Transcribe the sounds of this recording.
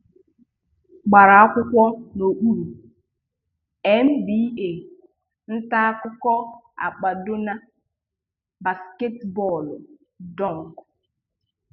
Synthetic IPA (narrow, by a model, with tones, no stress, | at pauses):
ɡ͡ba˨ɾa˨a˦kʷʊ˦kʷɔ˦no˨k͡pu˦ɾu˨ | ɛ˨n̩˦bi˦e˨ | n̩˦ta˦a˦kʊ˦kɔ˦ | a̰˨k͡pa˨do˦na˦ | ba˨ske˦tbɔ˦˨l | dɔ˦˨ŋ˨k